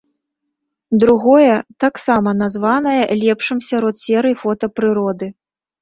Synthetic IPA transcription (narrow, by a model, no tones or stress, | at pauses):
d̪ɾuɣɔjɛt̪aksamɐnazvanɐjɐlʲɛpʂɨmsʲaɾɔt̪sʲɛɾɨfɔt̪ɐpɾɨɾɔd̪ɨ